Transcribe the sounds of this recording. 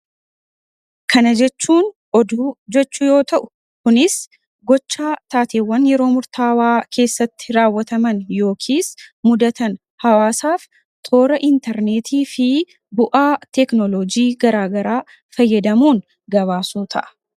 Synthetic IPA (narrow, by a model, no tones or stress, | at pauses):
kɐnɐd͡ʒɛt͡ʃːuːn | ɔd̪uːd͡ʒɛt͡ʃːʊjo̞ːt̪ɐʔʊ̥ | kʊnɪs | ɡɔt͡ʃːaːt̪aːt̪eːwːɐnjɛɾo̞ːmʊɾt̪ʰaːwaːkʰe̞ːsːɐt̪ːɪɾaːwːɐt̪ɐmɐnjo̞ːkʰiːsmʊd̪ɐt̪ɐn | hɐwaːsaːf | t̪ʰo̞ːɾɐʔɪnt̪ɛɾneːt̪ʰiːfɪ | bʊʔaːt̪ɛknɔlɔd͡ʒiːɡɐɾaːɡɐɾaː | fɐjːɐd̪ɐmuːn | ɡɐβaːsuːt̪ʰɐ̰ʔɐ̥